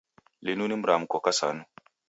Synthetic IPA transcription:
linunimɾamukokasanu

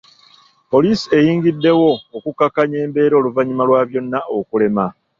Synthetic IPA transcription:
po̞liːsie̞jiːŋɡidːe̞wo̞ːkukːakːaɲe̞ːmbe̞ːɾo̞ːluvaɲimalwaːβjo̞nːaokule̞ma

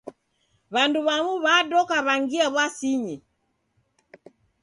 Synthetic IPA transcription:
βanduβamuβadɔkaβaŋɡiaβwasiɲi

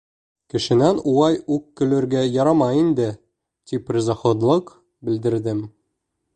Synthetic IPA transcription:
kɘ̆ʃɘ̆nænuwɑjʉkːɵ̆lɘ̆ɾɡæjɒɾɑmɑind̪ɘ | t̪iprʲɪzɑχod̪lˠɤq | bɘ̆ld̪ɘ̆ɾd̪ɘm

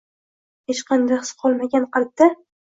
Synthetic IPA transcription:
het͡ʃqɑnd̪aχɨ̥sqʰɒlˠmaɡʲanqɨlˠɪp̚d̪ɪ

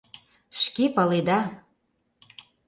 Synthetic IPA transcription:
ʃkepɑled̪ɑ

